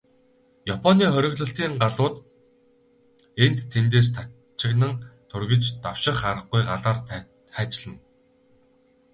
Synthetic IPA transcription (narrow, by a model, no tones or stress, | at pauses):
japʰɔniːχœɾʲɵ̆ɣɮɵ̆ɬt̪iːŋɢaɮʊːt̪ | en̥t̪ʰːent̪̬eːs̬t̪ʰa | t͡ɕɪ̆ɣnə̆ŋt̪ʰɵrɣɘ̆t͡ɕt̪aw̥ʃɪ̆χaɾə̆χɡujɢaɮaːr | χæːt͡ɕɮə̆n